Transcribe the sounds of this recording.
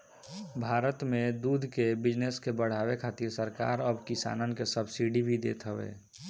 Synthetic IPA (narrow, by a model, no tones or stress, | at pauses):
bʱaːɾət̪mẽd̪uːd̪ʱkebɪd͡ʒneskebəɽ̤aːwekʰaːt̪iɾsəɾka̰ːɾəbkɪsa̰ːnənkesəbsiɖibʱid̪eːt̪ɦəʋḛː